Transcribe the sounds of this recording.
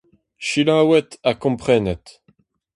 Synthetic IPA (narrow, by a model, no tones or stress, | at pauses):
ʃilãwɛt̪akɔ̃pχɛnɛt̪